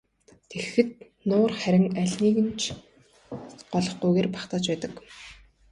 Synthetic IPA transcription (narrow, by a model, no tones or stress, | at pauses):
t̪ʰexɘ̆t̪̚ | nʊːrχæɾʲɪ̆ŋæɮʲniːɣɘ̆nt͡ɕʰ | ɢɔɮɞ̆χɢujɣeːrpḁχt̪aːt͡ɕpæːt̪ə̆k